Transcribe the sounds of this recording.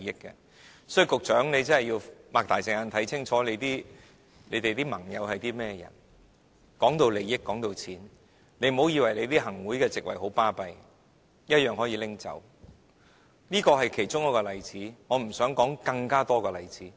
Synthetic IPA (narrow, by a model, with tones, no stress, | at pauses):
jɪ˥kːɛ̰ː˧ | sɔː˨˥jy˧kʊ˨k̚t͡ʃœː˨˥ŋne˨˧jt͡sɐ˥nhɐ˨ji˧wmaː˨k̚t̪aː˨jt͡sɪ˨˧ŋa˧nt̪ʰɐ˨˥jt͡sʰɪ˥ŋt͡ʃʰɔː˨˥le˨˧t̪iː˥ | le˨˧t̪e˨jt̪iː˥mɐ˨˩ŋjɐ˨˧whɐ˨jt̪iː˥mɛː˥jɐ̰˨˩n | kɔː˨˥ŋt̪o˧wle˨˧jɪ˥kːɔː˨˥ŋt̪o˨˧wt͡sʰiː˨˥n | ne˨˧jm˨o˨˧wjiː˧wɐ˨˩jle˨˧jt̪iː˥hɐ˨˩ŋwuː˨˥jkɛː˧t͡sɪ˨k̚wɐ˨˩jɦo˨˥wpaː˥pɐ˧j | jɐ˥t̚jœː˨ŋhɔː˨˥jiː˧˥lɪ˥ŋt͡sɐ̰˨˩w | niː˥kɔː˧ɦɐ˨jkʰe˨˩jt͡sʊ˥ŋɔː˨˧˥kɔː˧lɐ˨˧jt͡siː˨˥ŋɔː˨˧m̩˨˩sœː˨˥ŋkɔː˨˥ŋkɐ˧ŋkaː˥t̪ɔː˥kɔː˧lɐ˨˧jt͡siː˨˥